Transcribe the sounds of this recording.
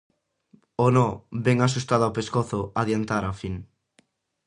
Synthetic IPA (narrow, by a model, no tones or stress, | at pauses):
onɔbɛŋas̬ust̪aðoawpeskoθʊaðjant̪aɾafiŋ